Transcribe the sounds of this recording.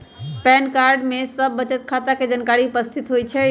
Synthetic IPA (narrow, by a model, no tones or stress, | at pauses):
pɛnkaɾɖmesəbːət͡ʃət̪̚kʰat̪aked͡ʒankaɾiupəst̪ʰit̪ɦojt͡ʃʰɛ